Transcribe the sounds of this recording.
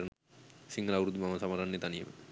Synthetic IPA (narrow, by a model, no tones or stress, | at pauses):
ɾn | siŋɡəlaʋuɾud̪imaməsamaɾanːet̪anijə̰mə̰